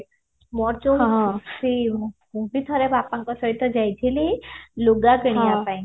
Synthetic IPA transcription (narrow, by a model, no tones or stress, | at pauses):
mɔɾt͡ʃosiɦumpit̪ʰɔɾebapaŋkɔsɔɦit̪ːɔd͡ʒajt̪ʰililuɡapeɽ̃japaj̃